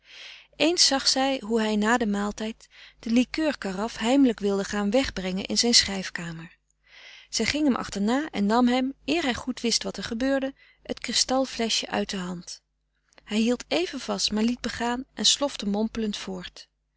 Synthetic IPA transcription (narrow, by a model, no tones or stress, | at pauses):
ʔejnsɑχsɛjɦuɦɛjnaːdəmaːlˠtɛjtd̥əlikøːɹkarɑfɦɛjmələkʋɪlˠdəχaːnʋɛχbrɛŋənʔɪ̰nzɛjnsχrɛjfkaːməɹ | z̥ɛjχɪŋɦɛmʔɑ̰χtəɹnaːʔɛ̰nːɑmɦɛmʔɪːɹɦɛjχutʋɪstʋɑtɛɹχəbøːɹdə | ətkrɪstɑlˠvlɛʃəʔœ̰ɥt̚dəɦɑnt | hɛjɦilˠtejvənv̥ɑstmaːɹlid̚bəχaːnʔɛnslɔftəmɔmpələntfʊːɹt